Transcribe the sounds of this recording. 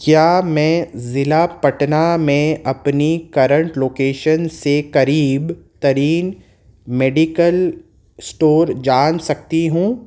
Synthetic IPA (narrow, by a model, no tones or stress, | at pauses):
kjaːmɛ̃ːzɪlapɐʈnamẽɐpnikɐɾə̃ɳʈloːkeːʃənsekɐɾiːbt̪ɐɾiːn | meːɖikəl | sʈoːɾd͡ʒaːnsɐk̚t̪iɦũː